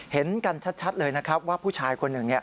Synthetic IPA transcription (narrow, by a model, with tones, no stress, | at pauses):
he˩˦nka˧nt͡ɕʰa˦˥t̪̚t͡ɕʰa˦˥t̪̚lɤː˧jna˦˥kʰɾa˦˥p̚waː˥˩pʰuː˥˩t͡ɕʰaː˧jkʰo˧nːɯ˨˩ŋni˥˩